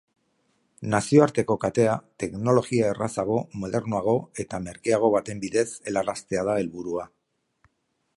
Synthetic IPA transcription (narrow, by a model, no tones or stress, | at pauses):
nasioaɾt̪e̞ko̞kat̪e̞at̪e̞kno̞lo̞ɣiaerasaɣ̞o̞mo̞ðe̞ɾnoaɣ̞o̞e̞t̪ame̞ɾkeaɣ̞o̞βat̪e̞mbiðe̞se̞larast̪e̞að̞ae̞lβuɾua